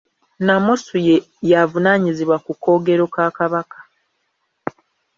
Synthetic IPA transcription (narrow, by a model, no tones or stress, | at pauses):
namosuje | javunaːɲiziβwakukːo̞ːɡe̞ɾo̞kaːkaβakḁ